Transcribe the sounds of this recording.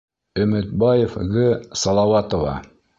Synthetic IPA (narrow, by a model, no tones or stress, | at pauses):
ɵ̆mɘ̆t̪̚bɑjefɣɘsɑlˠɑwɑt̪ŏvɑ̰